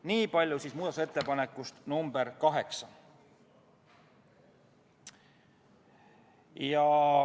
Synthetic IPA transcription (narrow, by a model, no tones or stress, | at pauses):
niːpɑlʲjusiːsmuːd̪ɑt̪uset̪ːe̞pɑne̞kːˑust̪numb̥eɾkɑɦe̞ksɑ | jɑ